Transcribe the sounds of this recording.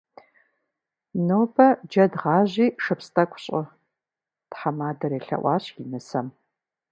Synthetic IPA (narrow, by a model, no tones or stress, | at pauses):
noːbɐd͡ʒɐdʁɑːʑiːʂɨpstʰʼɐkʷʼɕʼɪ | d̥ħamaːdɐɾeːɬɐ̰ʔʷɑːɕjinɨsɐm